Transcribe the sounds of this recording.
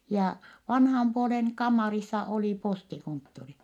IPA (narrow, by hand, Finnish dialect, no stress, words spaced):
jɑː ʋɑnhɑm puoleŋ kɑmːɑrisːɑ oli postikontːori